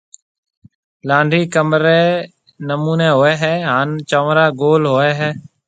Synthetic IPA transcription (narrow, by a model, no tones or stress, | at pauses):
lãːɳɖʱiːkəmɾeː | nəmuːneːɦoːɛːɦɛːɦaːnt͡ʃəːʋɾaːɡoːlɦoːɛːɦɛː